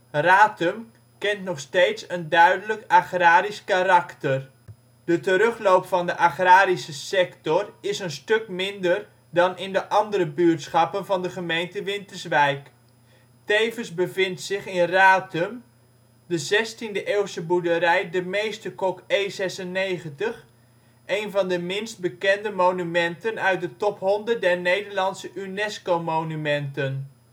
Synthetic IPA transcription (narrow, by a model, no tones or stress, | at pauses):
raːtəm | kɛntnɔχstejtsəndœɥdələkaχraːɾiskarɑktər | d̥ətəɾɵχlowpfɑndəʔaχraːɾisəsɛktɔrɪsənstɵkmɪndər | dɑnɪndəʔɑndəɾəbyːtsχɑpənvɑndəχəmejntəʋɪntəɹzʋɛjk | tejvənzbəvɪntsɪχɪnraːtəm | dəzɛstindəʔeːwsəbudəɾɛjdəmejstəkɔkejzɛsənejχəntəχ | ʔejnvɑndəmɪnst̚bəkɛndəmownymɛntənœɥt̚dətɔpɦɔndət̚dɛrnejdəɹlɑnsəʔynɛskomownymɛntən